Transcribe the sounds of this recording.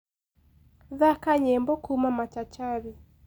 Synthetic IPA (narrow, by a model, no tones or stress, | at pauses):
ðakaɲɛmbɔkumamat͡ʃat͡ʃaɾi